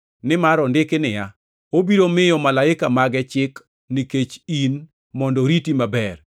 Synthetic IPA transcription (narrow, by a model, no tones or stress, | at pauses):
nɪmaɾɔndɪkɪnɪja | obiɾomɪjɔmalaɪkamaɡɛt͡ʃɪk | niket͡ʃin | mɔndɔɾitimabɛr